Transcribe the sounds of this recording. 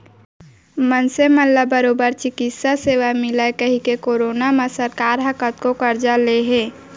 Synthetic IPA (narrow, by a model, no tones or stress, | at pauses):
mənseməlləbəɾoːbəɾt͡ʃɪkɪt̪saseːʋamɪlakəɦikekoːɾoːnaməsəɾkaːɾɦəkət̪kokəɾd͡ʒaleɦẽː